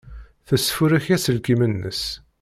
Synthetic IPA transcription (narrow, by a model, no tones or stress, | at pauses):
θəsːfuɾiçæsəlkimənːə̰s